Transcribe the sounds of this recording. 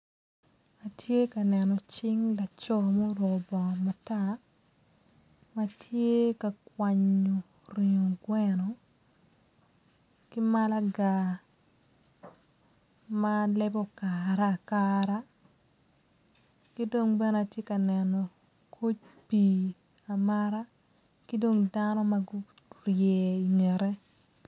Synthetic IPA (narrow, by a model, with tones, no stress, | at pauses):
a˨tje˦ka˨nɛ˨nɔ˨t͡ʃɪ˦ŋla˨t͡ʃɔ˦mɔ˦ɾɔ˨bɔ˨ma˨ta | matʰje˦ka˨kwa˨ɲo˨ | ri˨o˨ɡwɛ˦nɔ˨ | ki˦ma˦la˦ɡa˨ | ma˦lɛ˦bɔ˦kaɾa˦˨kaɾa˦ | kɪ˦do˦ŋbɛ˦na˨tje˦ka˨nɛ˨nɔ˨ | kʰo˦t͡ʃ̚pi˨ | a˨ma˦ɾa˦ | kɪ˦do˦ŋda˦nɔ˦maɡʊ˦ | rjɛ˨i˨ŋɛ˨ɾɛ˦